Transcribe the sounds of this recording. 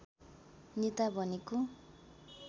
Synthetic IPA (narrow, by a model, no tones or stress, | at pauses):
nit̪abʱʌneko